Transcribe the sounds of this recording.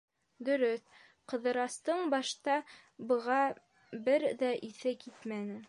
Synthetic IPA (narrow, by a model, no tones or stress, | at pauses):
d̪ɵ̆ɾɵθ | qɤ̆ðɤ̆ɾɑst̪ɤɴbɑʃt̪ɑ | bɤ̆ʁɑ | bɘɾðæʔiθɘkit̪mænɘ